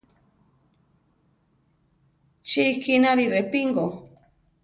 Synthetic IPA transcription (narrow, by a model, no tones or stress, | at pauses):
t͡ʃikinaɾirepiŋɡo